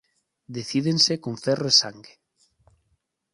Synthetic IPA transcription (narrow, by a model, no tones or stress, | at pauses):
d̪eθið̞ensekõɱfɛroesaŋɡe